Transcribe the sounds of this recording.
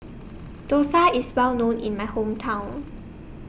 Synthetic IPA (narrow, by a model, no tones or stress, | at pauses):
d̥osaɪswɛlnõnḭ̃nmaɪhõmtʰãʊ̃n